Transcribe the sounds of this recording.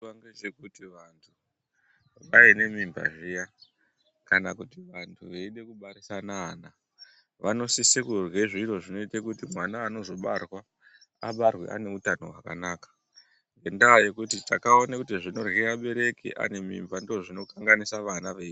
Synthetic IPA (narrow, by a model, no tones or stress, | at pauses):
aŋɡet͡ʃekutiʋantʰu | ʋaine̞mimba̰ʐija | kanakutiʋantʰuʋeiɗe̞kuɓaɾisanaːna | ʋano̞sisekurweʐiɾo̞ʐino̞itakutimwanaːno̞zo̞ɓa̰rwa | aɓarwḛʔa̰ne̞utano̞̰ɦwaka̰naːkḁ | ŋɡe̞ndaːje̞kutita̰kao̞nakutiʐino̞rɣeraɓe̞ɾe̞kḭʔa̰ne̞mḭmbandooʐino̞kaŋɡanisaʋanaʋe